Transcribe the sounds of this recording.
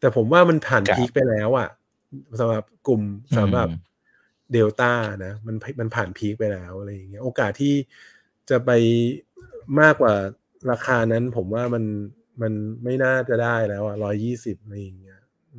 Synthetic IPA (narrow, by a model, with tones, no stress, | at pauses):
t̪ɛː˨˩pʰo˩˦mwaː˥˩ma˧npʰaː˨˩npʰi˦˥k̚pa˧jlɛː˦˥wʔa˨˩ | sa˨˦mɾa˨˩p̚ku˨˩msa˩˦mɾa˨˩p | deː˧wt̪aː˥˩na˦˥ma˧npʰma˧npʰaː˨˩npʰiː˦˥k̚pa˧jlɛː˦˥wʔa˨˩ɾa˧jːa˨˩ŋːi˦˥ɐʔoː˧kaː˨˩t̪ʰːiː˥˩ | t͡ɕa˨˩pa˧j | maː˥˩kːwaː˨˩ | ɾaː˧kʰaː˧na˦˥npʰo˩˦mwaː˥˩ma˧n | ma˧nma˥˩jnaː˥˩t͡ɕa˨˩daː˥˩jlɛː˦˥wʔa˨˩ɾɔː˦˥jːiː˥˩si˨˩p̚ʔa˧ɾa˧ja˨˩ŋːi˦˥ɐ